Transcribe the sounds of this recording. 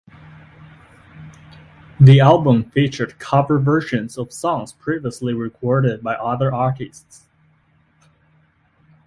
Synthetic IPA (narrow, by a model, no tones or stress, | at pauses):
ðiælˠbə̃mfit͡ʃə˞d̚kʰʌvə˞vɜ˞ʃɨ̃nzʌv̥sɔ̃ŋz̥pʰɹ̥iviəsliɹɪkʰɔɹɾɪd̚baɪʔʌðə˞ɑɹɾɨsts